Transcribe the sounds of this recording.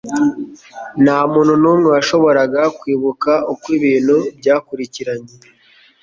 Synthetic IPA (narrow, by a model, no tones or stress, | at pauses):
naːmuːnhunuːmŋewaʃo̞βo̞ɾaɡakwiːβukaukwiβiːn̤̥hubɟaːkuɾiciɾaɲe